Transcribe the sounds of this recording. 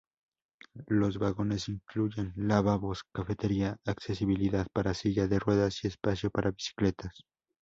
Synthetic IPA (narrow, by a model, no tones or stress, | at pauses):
lo̞zβaɣo̞ne̞siŋkluʝe̞nlaβaβo̞skafe̞t̪e̞ɾiaakse̞siβiliðaðpaɾasiʝaðe̞rwe̞ðasie̞spasjo̞paɾʔaβisi̥kle̞t̪as